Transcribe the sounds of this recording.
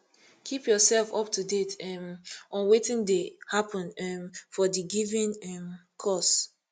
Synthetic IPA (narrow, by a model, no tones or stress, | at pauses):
kʰipjɔsɛlfɔp̚tʰudetɛmʔɔ̃nwetĩndehapɔ̃nɛmfɔdiɡivĩnɛm | kʰɔs